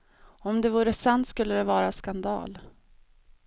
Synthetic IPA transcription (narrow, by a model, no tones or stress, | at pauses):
ɔmd̪ɛvuːɾəsant̪skɵlːəd̪ɛvɑːɾaskand̪ɑ̰ːl